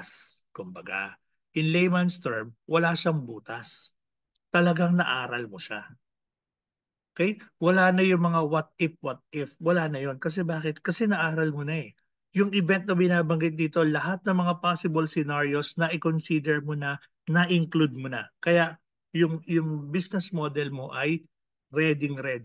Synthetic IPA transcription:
skʊmbɐɡa̰ | ʔɪnlɛjmɐnst̪ɛɹmwɐlaʃaŋbuːt̪ɐs | t̪ɐlɐɡaŋnɐʔaːɾɐlmoʃa̰ | ʔʔʔʔokɛjwɐlaːnɐjʊŋmɐŋawat̪̚ɪfwɐt̪̚ɪfwɐlaːnɐjo̞nkɐs̬ɛbaːkɪt̪̚kɐsɛnɐʔaːɾɐlmonɐɛ | jʊŋʔɪvɛnt̪̚nɐbɪnaːbɐŋɡɪt̪̚d̪iːt̪o̞lɐhat̪̚nɐŋmɐŋapaːsɪbɐlsɪnaɹio̞snɐʔɪkonsid̪ɛɹmonɐ | nɐʔɪŋklud̪̚monɐkɐjaʔ | jʊŋjʊŋbisnɛsmoːd̪ɛlmo̞ʔɐj | ɾɛd̪ɪŋɾɛd̪

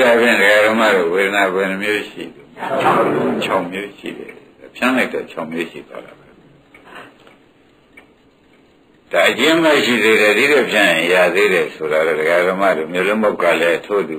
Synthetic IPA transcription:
ɾapjɪ̰̃ndəɡaɾəma̰ɾoweɾənaɡɛ̃nəmjoʃḭlo | t͡ɕʰaʊ̃mjoʃḭɾɛ̰d̥apʰjãlaɪtːɔ̰t͡ɕʰaʊ̃mjoʃḭd̪wa̰la̰ba | d̥aʔət͡ɕɪ̃ʔəmɛʃḭd̪eɾɛd̪idɛpʰjãjɪ̃jaðeɾɛsoɾaɾɔ̰dəɣaəɾəma̰domjolʊ̃mbaʊkːalɛtʰod̪u

